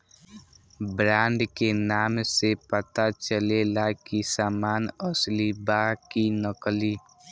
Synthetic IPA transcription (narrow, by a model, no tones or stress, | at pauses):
bɾãːɳɖkenaːmsepət̪at͡ʃəlelakisaːmaːnəslibakinəkli